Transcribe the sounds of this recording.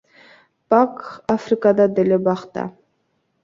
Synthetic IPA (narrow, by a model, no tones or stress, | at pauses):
pakafrikad̪ɑd̪elebɑχt̪ɑ̰